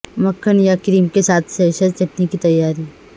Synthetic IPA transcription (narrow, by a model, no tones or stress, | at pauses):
mɐkʰːənjakɾiːmkesaːt̪ʰseːʃət̪t͡ʃɐʈnikit̪ɐjːaːɾi